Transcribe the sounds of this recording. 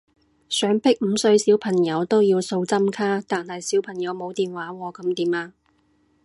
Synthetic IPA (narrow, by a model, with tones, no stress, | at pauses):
sœː˨˥ŋpʰɪ˥k̚m̩˨˧sɵ˧ɥsiː˨˥wpʰɐ˨˩ŋjɐ˨˧wt̪o˥wjiː˧wso˧wt͡sɐ˥mkʰaː˥t̪aː˨nhɐ˨jsiː˨˥wpʰɐ˨˩ŋjɐ˨˧wmo˨˧wt̪iː˨nwaː˨˥wɔː˧kɐ˨˥mt̪iː˨˥maː˧